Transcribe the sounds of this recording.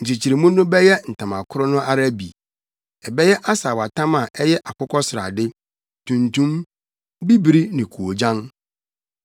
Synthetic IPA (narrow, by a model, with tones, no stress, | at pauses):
ɲ̩˨t͡ɕi˨t͡ɕʰi˨ɾi˨mũ˦nʊ̃˦bɛ˦jɛ˦n̩˨tʰã˨ma˨kʰʊ˦ɾʊ˦nʊ̃˦ʔa˦ɾa˦bḭ˨ | ɛ˨bɛ˦jɛ˦ʔa˦sa˨wa˨tʰã˦ma˨ʔɛ˦jɛ˦ʔa˨kʰʊ˦kʰɔ˦sɪ˨ɾa̰˨dɪ˦ | tʰũ˨ntʰũ˦m | bi˦bi˨ɾi˦nɪ̃˨kʰu˨o˨d͡ʑã˦n